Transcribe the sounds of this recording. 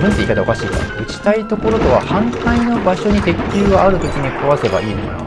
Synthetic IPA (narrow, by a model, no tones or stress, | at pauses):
bɯ̃nt̪eikad̪ao̞̰kaɕiːk̪a̰ɯ̟t͡ɕi̥t̪ait̪o̞ko̞ɾo̞t̪o̞βahãŋt̪aino̞baɕo̞ɲ̟it̪e̞kʲːɨːɡaaɾɯ̟t̪o̞kʲiɲ̟ikaβase̞ba̰iːnom̰na̰